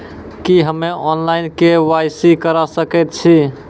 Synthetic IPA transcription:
kiɦəmːeʔɔnlainkewajsikəɾasəkɛt̪̚t͡ʃʰi

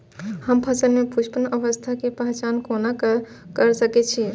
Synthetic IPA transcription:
həmpʰəsənmepʰuʃpənəʋəst̪ʰakepəɦt͡ʃankonak | kəɾsəkɛt͡ʃʰi

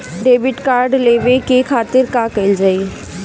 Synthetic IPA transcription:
ɖeːbɪʈkaːɾɖleːʋekekʰaːt̪ɪɾkãːkɐɪld͡ʒaːi

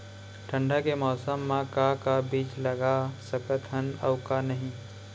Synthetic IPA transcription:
ʈʰə̃ɳɖakemɔːsəmːãkakabiːt͡ʃlɐɡasɐkət̪ʰɦənɐʊkanɐɦĩː

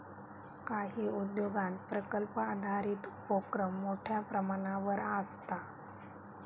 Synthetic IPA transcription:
kaɦiːud̪joɡãnt̪pɾəkəlpəad̪ʱaɾiːt̪upokɾəmːoʈʰjapɾəmaɽ̃aʋəɾast̪a

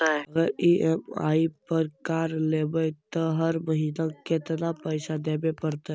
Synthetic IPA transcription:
aɛɐɡəɾiʔema̰ːipəɾkaːɾleːbəjt̪əɦəɾməɦiːnakɪt̪napəɪʃad̪eːbepəɾt̪aɦ

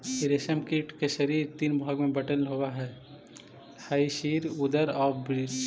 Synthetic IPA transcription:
ɪɾeʃəmkiːʈkeʃəɾiːɾt̪iːnbʱaːɡmẽbɐʈəlɦowaɦɛː | haiʃiːɾʊd̪əɾɔːbɾiːɾ

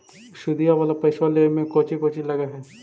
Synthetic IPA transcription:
ʃʊd̪ijaʋaːlapɐɪʃwalemẽkoːt͡ʃikoːt͡ʃilɐɡaɦɛː

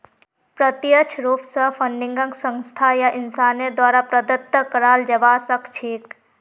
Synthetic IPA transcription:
pɾət̪jət͡ʃʰɾuːpsəpʰə̃ɳɖɪ̃ŋɡəŋɡsə̃ŋst̪ʰajaʔɪnsaːnəɾd̪waːɾapɾəd̪ət̪ːəkəɾaːld͡ʒəbaːsəkt͡ʃʰiːk

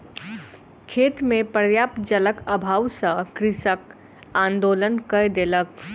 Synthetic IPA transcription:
kʰeːt̪mẽpəɾjaːpd͡ʒələkəbʱaːwsə̃kɾɪsək | ãnd̪oːlənkəjd̪elək̚

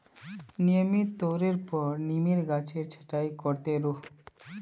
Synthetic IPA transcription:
nijəmit̪oɾeɾpɔɾnimiɾɡat͡ʃʰeɾt͡ʃʰə̥ʈaikɔɾt̪eɾu

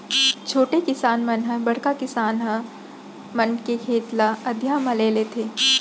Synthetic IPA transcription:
t͡ʃʰoːʈekɪsaːnmɐnɦə̃bɐɽ̤kakɪsaːnɦə̃ | mɐnkekʰeːt̪laɐd̪ʱjaːmãleːlet̪ʰeː

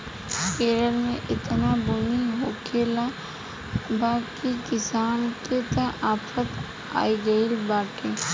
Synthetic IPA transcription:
keːɾəlmẽʔɪt̪nabʊniɦokʰeːla | baːkikɪsaːnket̪ɐ̃ʔaːfət̪ | a̰ːiɡɐilbaːʈe

